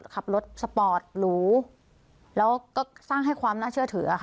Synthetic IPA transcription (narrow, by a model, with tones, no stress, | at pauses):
kʰa˨˩p̚lo˦˥t̪̚sa˧pɔː˨˩t̪̚ɾuː˦˥ | lɛː˦˥wkɔː˥˩saː˥˩ŋɦa˥˩jkʰwaː˧mnaː˥˩t͡ɕʰɯ˥˩ɐt̪ʰɯ˩˦˧xʰ